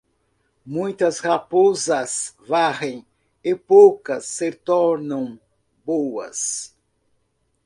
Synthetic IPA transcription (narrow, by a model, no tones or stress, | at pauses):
mũj̃t̪ɐshapozɐsvaʁẽj̃ | ɪpowkɐsːet̪ɔɾnɐ̃w̃ | bowɐ̰s